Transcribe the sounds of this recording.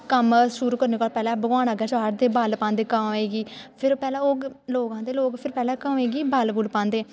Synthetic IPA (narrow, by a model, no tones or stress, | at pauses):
kəmʃuɾuːkəɾneːkɔːlpɛːlɛ̃ːbəɡaːnəɡɛːt͡ʃaːɾd̪eːbaːlpãːnd̪eːkameːɡiːpʰɪɾpɛːlɛ̃ːoːɡloːɡãːd̪eːloːɡpʰɪɾpɛːlɛ̃ːkəmeːɡiːbaːlɡʊlpãːnd̪eː